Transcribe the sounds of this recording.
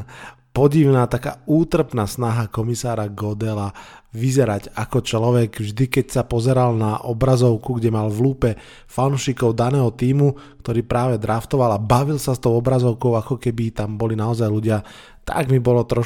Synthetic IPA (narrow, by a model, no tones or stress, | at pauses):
pɔɟiʊnaːt̪aka̰ːuːt̪r̩pnaːsnaɦakɔmisaːɾaɡɔd̪ɛla | ʋizɛɾaɟakɔt͡ʃlɔʋɛɡvʒd̪ikɛcsapɔzɛɾalnaʔɔbɾazɔʊkuɡɟɛmalʋluːpɛ | fanuʃikɔʊd̪anɛːɦɔt̪iːmukt̪ɔɾiːpɾaːʋɛd̪ɾaft̪ɔʋalabaʋilsast̪ɔʊɔbɾazɔʊkɔʊakɔkɛbit̪ambɔlinaɔzajluɟɪa | t̪a̰ɡmibɔlɔt̪ɾɔ